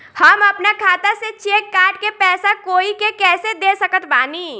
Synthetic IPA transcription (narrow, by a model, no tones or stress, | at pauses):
həməpnakʰaːt̪aset͡ʃekːaːʈ̚kepɛːsakoːikekɛːsed̪esəkət̪ʰbaːni